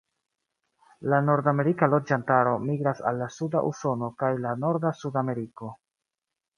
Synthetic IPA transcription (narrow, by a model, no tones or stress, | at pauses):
lano̞ɾdame̞ɾikalo̞d͡ʒantaɾo̞miɡɾasa̰lːasuda̰ʔṵso̞no̞kajlano̞ɾdasudame̞ɾiko̞